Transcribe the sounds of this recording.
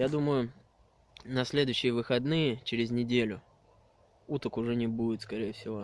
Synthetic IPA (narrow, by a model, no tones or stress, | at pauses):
jad̪uməjʊ | nɐsʲlʲe̞d̪ʊɕːɪjəvɨxɐd̪nɨjət͡ɕɪɾʲɪzʲnʲɪdʲelʲʊ | ut̪əkʊʐɛnʲɪbudʲɪt̪skɐɾʲejəfsʲɪvo̞